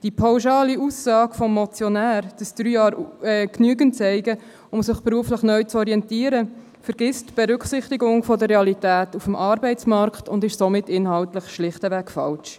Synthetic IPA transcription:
d̥ipʰɑwʃɑːliusːɑːɡ̥fɔmːɔt͡sjɔnæːɾd̥əsd̥ɾyːjɑːɾɛknyːəɡənt͡sɛɪɡə | ʊmsɪχpɾuəfləχnœʏt͡sɔɾiɛntiːəɾə | fəɾɡ̥ɪstb̥ɛɾʏksɪχtiɡʊŋfɔdəɾeɑlitæːtufəmʔɑːɾbɛɪt͡smɑɾktʊndɪʃsomɪtːɪnhɑltləχʃlɪχtəʋækfɑlʃ

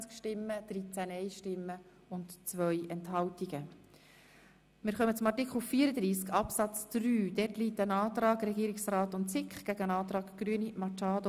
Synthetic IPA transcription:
t͡skʃtɪmːəd̪̥rit͡sænɛɪʃtɪmːə | ʊntt͡sʋœjʔɛnthɑwtiɡ̥ə | mɪːɾχœmət͡sʊmɑrtikχl̩fiːəɾəd̪ɾiːskɑpsɑt͡sd̥ryːd̥ɛtliːtːənɑːtɾɑːkɾɛɡiːɾɪksrɑːtʊntt͡sɪkχɡ̥æɡəənɑːt̪ɾɑːkɡ̥ɾyːənimɑt͡ʃɑːdo

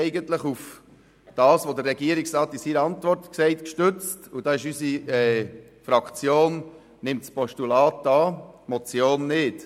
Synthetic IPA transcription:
ɛɪɡəntləχuf | d̥ɑːsʋod̪ərːɛɡiəɾɪksɾɑːtɪsiːɾəɑntvɔrt̪ksɛɪtkʃtʏt͡stud̥ɑːɪʃysiɛː | fɾɑkt͡sjoːn | nɪmtspɔʃtulɑːtɑːmɔt͡sjoːnːɪt

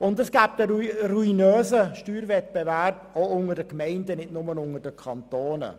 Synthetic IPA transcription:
ʊndəsɡ̥æːb̚dəɾuinøːzəʃtyːɾvɛt̚b̥eværboʊŋədəkmɛɪndənɪdnʊmənʊŋədəkʰɑnt̪oːnə̰

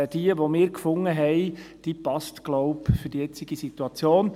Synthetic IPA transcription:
d̥iəʋomɪːɾkfʊŋːəɦɛɪd̥ipɑstɡ̥lɔʊpfɵɾd̥ijɛt͡siɡ̥isit̪uɑt͡sjoːn

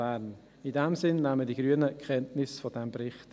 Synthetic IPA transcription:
æɾn | idɛmsɪnnæmədiɡ̥ɾyənəkχɛntnɪsfodɛmbɾɪχt

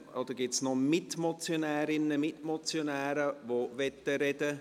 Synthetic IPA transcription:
od̪əɡɪtsnɔmɪtmɔt͡sjonɛːɾɪnəmɪtmɔt͡sjonɛːɾəʋoʋɛt̪ːəɾɛd̥ə

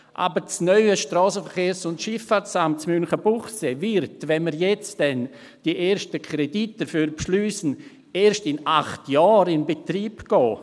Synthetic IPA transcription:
ʔa̰bəɾt͡snœʏəʃtrɔːsəfəɾχeːɾsʊntʃɪfat͡samt͡smynχəbuχsevɪɾtʋɛnməɾjɛt͡sd̥ɛn | d̥iʔeːʃtəkʰɾɛdit̚d̥əfyːɾpʃlyːsən̩ | eːɾʃtɪnaχtjɑːɾɪnbetriːpɡ̥ɔː

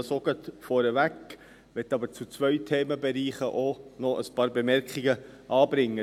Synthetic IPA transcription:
soɡət̪fɔːɾəʋæk | ʋɛtːɑbəɾt͡sut͡sʋœʏtʰeːməbɛɾiːχəʔonɔʔəspɑːɾbɛmɛɾkχiɡə | ʔɑːbɾɪŋːə

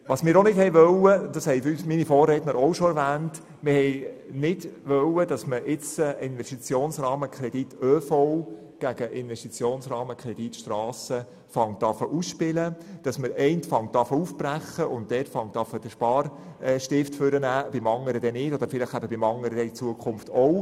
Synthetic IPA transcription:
ʋɑsmɪːɾonɪdhɛjʋœwəd̥̪ɑshɛɪyːsminifoːrːɛtnəɾoʊʃɔɛɾvæːnt | mɪɾhɛɪnɪdʋœwədɑsməʔɪt͡səɪnʋɛstit͡sjoːnsɾɑːməkʰɾɛd̥itøːfɔw | ɡ̥æɡəʔɪnʋɛstit͡sjoːnsrɑːməkʰɾɛd̥itʃtɾɑːsə | fɑŋttːɑfəʔusʃpɪləd̥ɑsməɾɛɪntfɑŋt̚ɑfəufb̥ræχːəʔʊnt̚dɛtfɑŋtɑfəd̥əʃpɑːrɛʃtɪftfʏɾənæːb̥ɪmɑŋːəɾəd̪ɛnɪtod̥̪əɾfɪlɪχæbəbɪmɑŋːəɾədɛit͡suəkʰχʊmftɔw

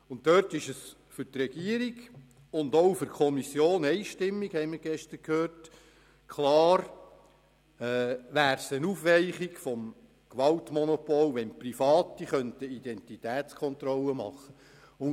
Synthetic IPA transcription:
ʊntːœtɪʃəs | fʏɾtrɛɡ̥iəɾiɡ | ʊndoʊfʏɾkʰɔmisjoːnɛɪʃtɪmːikhɛɪməɾɡ̥ɛʃtəɾkʰhøːɾt | kʰlɑːɾ | ɛːʋæːɾsənufʋɛɪχiɡfɔm | kʋɑltmɔnɔpɔlʋɛnprifɑːtiχœntəidɛntitæːt͡skʰɔnt̪ɾɔlːəmɑ̰χːə | ʊ

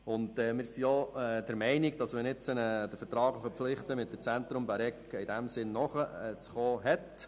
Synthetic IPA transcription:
ʊndɛːmɪːɾsioɛd̥ɛɾmɛɪniɡ̚d̥ɑsʋɛnɪt͡sənəd̥əfəɾtɾɑːɡləχəflɪχt̪əmɪt̚dət͡sænt̪ɾʊmbaɾɛkɪdæmsɪnːɔχəɛt͡sχoːɦɛt

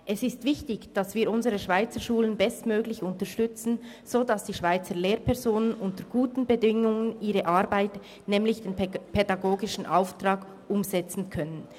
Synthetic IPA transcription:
ʔɛsɪstv̥ɪçtɪçd̥ɑsv̥iːɾʊnzəʁəʃv̥aɪt͡səʃuːlənbɛstmøːɡlɪçʊntəʃtʏt͡sn̩ | z̥odasd̥iːʃv̥aɪt͡səleːʁpʰɛʁzoːnənʔʊntəɡ̥uːtn̩bədɪŋʊŋəniːʁəʔɑɾbaɪt | nɛːmlɪçd̥eːnpʰedaɡoːɡɪʃn̩ʔaʊftʁ̥ɑːk | ʔʊmzɛt͡sn̩kʰœnən

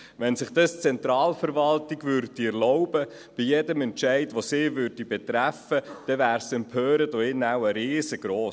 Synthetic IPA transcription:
ʋɛnsɪχd̥̪ɑst͡sɛnt̪ɾɑːlfəɾʋɑltiɡvʏɾd̥iɛɾlɔʊbə | b̥ijɛdəmɛntʃɛɪdʋosɪːvʏɾd̥ibɛt̪ɾæfəd̥ɛvæːɾsɛmpʰøːɾədoɪnːæwəɾeːsəɡ̥ɾoː

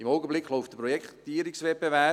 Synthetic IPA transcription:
imɔʊɡəblɪkːloʊftd̥əprɔjɛkχtiːəɾɪksvɛbevɛ

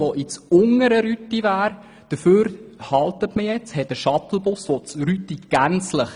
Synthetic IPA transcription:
ʋɔʔɪt͡sʊŋəɾəɾyt̪ːivæːɾ | d̥əføːɾhɑlt̪ətməjɛt͡shɛt̚dəʃɑt̪l̩ˠbʊsʋɔt͡sɾytːiɡ̥ænt͡sləχ

